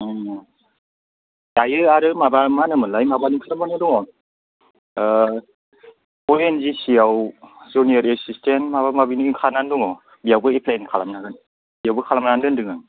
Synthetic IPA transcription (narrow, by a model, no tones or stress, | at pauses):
tajɯaɾɯmabamanɯmɯlajmabanikʰalamanɯdɔŋɔ | ɔenzisijawzunijɔɾesistenmabamabinɯiŋkʰananduŋɔ | bijawbɯipʰlenkʰalamnaɡɯn | bijawbɯkʰalamnandɯndɯŋɯŋ